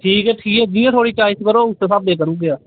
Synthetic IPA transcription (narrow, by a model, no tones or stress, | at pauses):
ʈʰiːkɛːʈʰiːkɛːd͡ʒɪːjãːt̪ʰoːɽiːt͡ʃaːɪt͡ʃkəɾoːʊseːsaːb̚d̪eːkəɾũːɡeaː